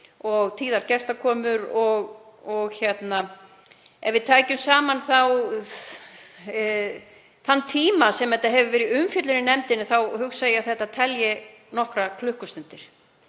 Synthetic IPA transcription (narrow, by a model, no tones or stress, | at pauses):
ɔɣt̪ʰiːðaɾcɛ̥st̪akʰɔːmʏɾɔɣɔɣçjɛt̪na | ɛ̰vɪðt̪ʰaːjcʏmsaːmanθaw | θanːt̪ʰiːmasɛmɛt̪ːaɦɛvʏvɛːɾɪʏmfjʏt̪lʏnɪnɛmt̪ɪnɪθawhʏksajɪaθɛht̪at̪ʰɛljɪ | nɔhkɾakʰlʏhkʏst̪ʏm̥t̪ɪɾ̥